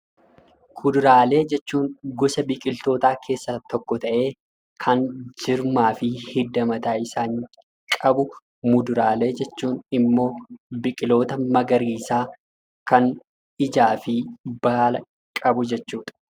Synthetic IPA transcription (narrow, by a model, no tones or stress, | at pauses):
kʰʊd̪ʊɾaːle̞ːd͡ʒɛt͡ʃːuːŋɡɔsɐbɪkʼɪlt̪o̞ːt̪aːkʰe̞ːsːɐt̪ɔkːɔt̪ɐʔe̞ː | kʰɐnd͡ʒɪɾmaːfɪhɪd̪ːɐmɐt̪aːɪsaːŋ | kʼɐbʊ | mʊd̪ʊɾaːle̞ːd͡ʒɛt͡ʃːuːnɪmːo̞ːbɪkʼɪlo̞ːt̪ɐmɐɡɐɾiːsaː | kɐn | ɪd͡ʒaːfɪb̥aːlɐ | kʼɐbʊd͡ʒɛt͡ʃːuːᶑ̪ɐ̥